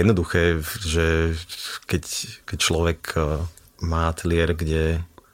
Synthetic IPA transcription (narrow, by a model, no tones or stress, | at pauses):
jɛd̪nɔd̪uxɛːʒɛ | kɛckɛc̚t͡ʃlɔʋɛk | maːt̪lɪɛɾɡɟɛ